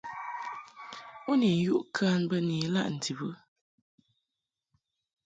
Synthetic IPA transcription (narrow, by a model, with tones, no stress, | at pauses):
u˦ni˨˦ju˦ʔkʰa˦nbə˦ni˨˦la̰˦ʔn̩˨ti˨bɨ˦